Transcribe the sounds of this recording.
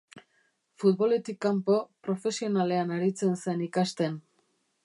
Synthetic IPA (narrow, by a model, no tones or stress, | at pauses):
fut̪̚bo̞le̞t̪ikːampo̞pɾo̞fe̞sio̞nale̞anaɾit͡se̞nse̞nikast̪en